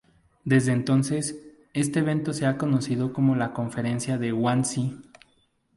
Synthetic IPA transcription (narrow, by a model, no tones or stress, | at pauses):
d̪e̞zðeːnt̪o̞nse̞s | e̞st̪eːβ̞e̞nt̪o̞se̞ako̞no̞siðo̞ko̞mo̞lako̞ɱfe̞ɾe̞nsjaðe̞ɣwansi